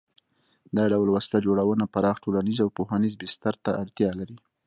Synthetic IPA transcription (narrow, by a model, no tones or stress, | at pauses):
d̪ɑɖawlwaslad͡ʒoɽawənapaɾɑxʈolanizawpohanizbɪst̪aɾt̪aʔaɽt̪jɑlaɾi